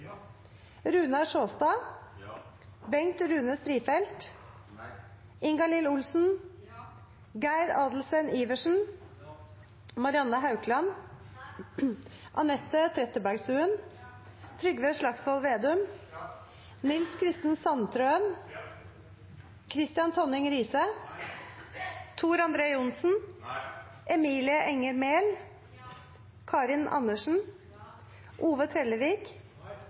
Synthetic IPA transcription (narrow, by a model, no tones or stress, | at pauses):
ɾʉːnɑʂoːst̪ɑː | bɛŋt̪ɾʉːnəst̪ɾiːfɛlt̪ | ɪŋɡɑlɪlʊlsn̩ | ɡæɪɾɑːd̪l̩səniːʋəʂn̩ | mɑɾɪɑnːɑɦɑʉkʰlɑn | ʔɑnɛt̪ːət̪ʰɾɛt̪ːəbæɾɡsʉːən | t̪ʰɾʏɡʋeːʂɭɑksʋɔlʋeːd̪ʉm | nɪlskʰɾɪst̪nsɑnt̪ʰɾøːən | kʰɾɪst̪ɪɑnt̪ʰɔnɪŋɾiːsə | t̪ʰuːɾɑnd̪ɾeːʊnsn̩ | ʔɛmiːlɪəʔɛŋəɾmeːl | kʰɑːɾɪnʔɑ̰nːəʂn̩ | ʔuːʋət̪ʰɾɛlːəʋiːk